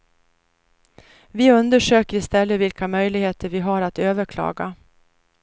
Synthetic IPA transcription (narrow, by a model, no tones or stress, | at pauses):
vɪɵnd̪əʂøːkəɾɪst̪ɛlːəvɪlkamœjlɪɡheːt̪ʰəɾvɪɦaɾat̪øːvəɾkʰlɑ̰ːɡa